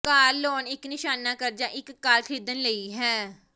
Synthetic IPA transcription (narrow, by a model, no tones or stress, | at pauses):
kaːlːɔːnɪknɪʃaːnaːkəɾd͡ʒaːʔɪkːaːlkʰɾiːd̪ənləiːɦɛː